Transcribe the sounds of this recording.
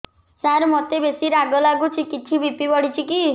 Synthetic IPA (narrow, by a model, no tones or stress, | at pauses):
saɾmɔt̪ebesiɾaɡɔlaɡut͡ʃʰikit͡ʃʰibipibɔɽ̤it͡ʃʰiki